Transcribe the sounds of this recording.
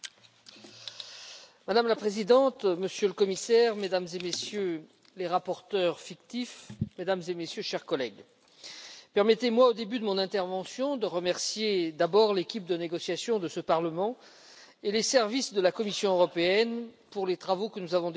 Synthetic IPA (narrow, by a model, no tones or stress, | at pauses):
mad̪amlapχezid̪ɑ̃t̪məsjøləkɔmisɛʁmed̪amzemesjø | leʁapɔʁt̪œʁfikt̪ifmed̪amzemesjøʃɛʁkɔlɛɡ | pɛʁmɛt̪emwaod̪ebyd̪əmɔ̃nɛ̃t̪ɛʁvɑ̃sjɔ̃d̪əʁəmɛʁsjed̪abɔʁlekʲip̚d̪əneɡɔsjasjɔ̃d̪əsəpaʁləmɑ̃ | elesɛʁvisd̪əlakɔmisjɔ̃øʁɔpeɛnpuʁlet̪χavokənuzavɔ̃d̪